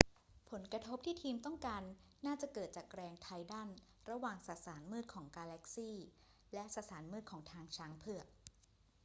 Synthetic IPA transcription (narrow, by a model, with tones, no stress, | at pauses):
pʰo˩˦nkɾa˧t̪ʰo˦˥p̚t̪ʰiː˥˩t̪ʰiː˧mt̪ɔ˥˩ŋkaː˧nː | aː˥˩t͡ɕa˨˩kɤː˨˩t̪̚t͡ɕaː˨˩kɾɛː˧ŋt̪ʰa˧jda˥˩n | ɾa˧waː˨˩ŋsa˨˩saː˩˦nmɯː˥˩t̪̚kʰɔː˩˦ŋkaː˧lɛ˦˥k̚siː˥˩ | lɛ˦˥ʔsa˨˧˩saː˩˦nmɯː˥˩kʰɔː˩˦ŋt̪ʰaː˧ŋt͡ɕʰaː˦˥ŋpʰɯ˥˩ɐ